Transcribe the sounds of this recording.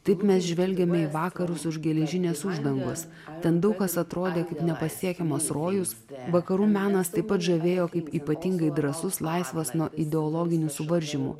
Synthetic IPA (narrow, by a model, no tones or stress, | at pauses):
t̪ɐɪpmʲɛsʒʲʋʲɛlʲɡʲɛmʲɛiːʋɑːkɐɾʊsʊʒɡʲɛlʲɛʒʲɪnʲeːsʊʒd̪ɐŋɡo̰ːs | t̪ʲɛnd̪ɐʊkkɐsɐt̪ɾoːd̪ʲeːkɐɪpnʲɛpɐsʲiɛkʲɛmɐsɾoːjʊs | ʋɐkɐɾuːmʲæːnɐst̪ɐɪpːɐt̪ʒɐʋʲeːjoːkɐɪpiːpɐt̪ʲɪŋɡɐɪd̪ɾɐsʊslˠɐɪsʋɐsnuɔʔɪd̪ʲɛɔlˠɔːɡʲɪnʲusʊʋɐɾʲʒʲimʊ̰